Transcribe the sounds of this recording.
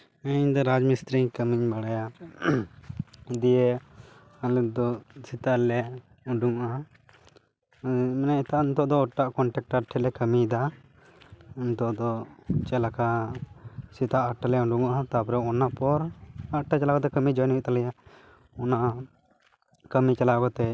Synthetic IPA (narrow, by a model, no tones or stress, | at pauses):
əɲd̪ɔɾad͡ʒmist̪ɾiɲkəmiɲbaɽaja | d̪ije | alɛd̪ɔsit̪alɛ | ɔɳɖuŋʔa | mɛnaɛt̪aʔnt̪ɔʔd̪ɔːʈːaʔkɔɳʈɛk̚ʈaʈʰːɛlɛkəmid̪a | unt̪ɔʔd̪ɔt͡ʃɛlaka | sit̪aʔaʈalɛɔɳɖuŋat̪apɔɾɛɔnapɔɾaʈat͡ʃalakɔt̪̬ɛkəmid͡ʒɔjniʔt̪alɛja | ɔna | kəmit͡ʃalakɔt̪ɛ